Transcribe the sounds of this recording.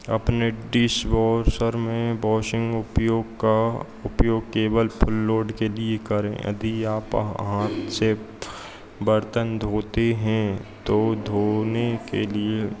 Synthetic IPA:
ɐ̰pneɖɪsʋɔːɾsəɾmẽbɔːʃɪ̃ŋɡʊpjoːɡka | ʊpjoːɡ̚keːbəlpʰʊlːoːɾɖkeliekəɾḛ̃ʔɐ̰d̪ʱiaːpɦãse | bəɾt̪ənd̪ʱoːt̪eɦɛ̃t̪od̪ʱoːnekelie

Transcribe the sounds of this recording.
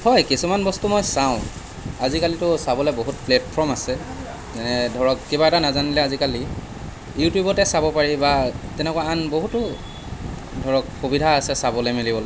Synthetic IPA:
hɔjkisumanbɔstumojsaʊ̃ | azikalitʊsabɔlɛboɦut̚plɛtpʰɔmasɛ | zɛnɛdʱɔɹɔkːibaɛtanazanilɛazikali | jutjubɔtɛsabɔpaɹibatɛnɛkwaanboɦutʊ | dʱɔɹɔkxobidʱaːsɛsabɔlɛmelibɔlɔ

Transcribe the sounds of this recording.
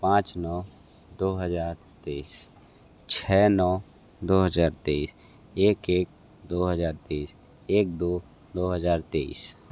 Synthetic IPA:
pãːt͡ʃnɔː | d̪oːɦəd͡ʒaːɾ | t̪eis | t͡ʃʰɛːnɔː | d̪oːɦəd͡ʒaːɾt̪eis | eːkeːk̚ | d̪oːɦəd͡ʒaːɾt̪eis | eːk̚d̪oː | d̪oːɦəzaːɾt̪eḭs

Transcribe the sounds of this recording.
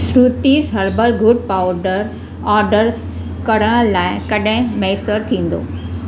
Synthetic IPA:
sɾut̪isɦɐɾbəlɡʊɖ̚paʊɖəɾ | aːɾɖəɾ | kɐɽəɽ̃laːɪkɐɗẽmɛːsəɾt̪ʰĩːnd̪o̰ː

